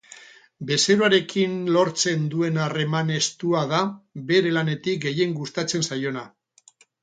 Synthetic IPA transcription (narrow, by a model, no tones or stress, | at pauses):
be̞se̞ɾoaɾe̞kinlo̞ɾt͡se̞nd̪ue̞nare̞mane̞st̪uaðaβe̞ɾe̞lane̞t̪ik̚ɡe̞je̞ŋɡust̪at͡se̞nsajo̞na